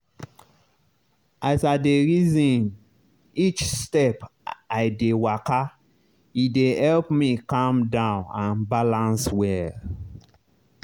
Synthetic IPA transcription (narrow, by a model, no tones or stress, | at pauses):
ʔasadeɹizĩn | it͡ʃstɛpaɪdewaka | idehɛlpmikãmdãʊ̃nãnbalãnswɛ